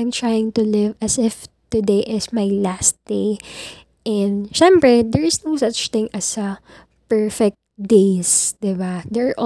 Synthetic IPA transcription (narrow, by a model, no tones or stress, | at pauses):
ajmt̪ɹajɪ̃ŋt̪ʊlɪvɐsɪf | t̪ʊd̪ejʔɪsmajlast̪̚d̪̥eɪ | ʔɛ̃nd̪ʃɛ̃mpɹɛd̪ɛɹɪsnoʊsɐt͡ʃt̪ɪ̃ŋʔɐsɐ | pɛɹfɛk̚t̪̚d̪eɪsd̪̥ɪbad̪ɛʔ